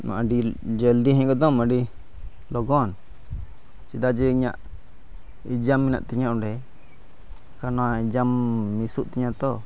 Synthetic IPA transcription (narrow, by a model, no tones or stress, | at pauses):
ma̰ɖid͡ʒəld̪iɦɛ̃ɡɔd̪ɔmãɖi | lɔɡɔn | t͡ʃid̪ad͡ʒɛiɲa̰ʔ | id͡ʒamːina̰ʔt̪iɲãʔɔ̃ɖɛ | kanɔaid͡ʒamːisuʔt̪iɲãt̪ɔ